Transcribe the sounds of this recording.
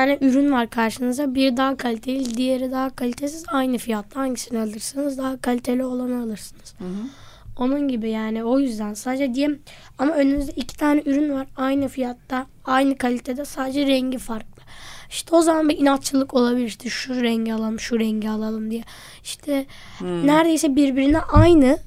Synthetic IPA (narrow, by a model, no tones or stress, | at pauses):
aːnɛʔyɾynvaɾkʰaɾʃɯnɯzd̪abiɾd̪aɦakʰalʲit̪ʰe̞lʲilʲd̪ije̞ɾɛd̪aɦakʰalʲit̪ʰesizajnɯfijat̪lˠahaɲcʰi̥sinɛalˠɯɾsɯnɯzd̪aɦakʰalʲit̪ʰe̞lʲio̞lˠanaalˠɯɾsɯnɯz̥ | o̞nunɟibijaːnio̞jyzd̪ænsaːd̪ed͡ʒɛd̪ijɛm | amaø̞nymyzd̪ɛicʰi̥t̪ʰaːnɛyɾynvaɾajnɯfijat̪lːa | ajnɯkʰalʲit̪ʰed̪ɛsaːd̪ed͡ʒɛɾɛɲɟifaɾklˠɯiʃt̪ʰɛo̞zamanbiinat̪t͡ʃʰɯlˠɯkʰo̞lˠabilʲiɾʃt̪ɛʃuɾɛɲɟialˠalˠmʃuɾɛɲɟialˠalˠɯmd̪ijɛ | i̥ʃt̪ʰɛ | næɾd̪e̞jsɛbiɾbiɾinɛʔajnɯ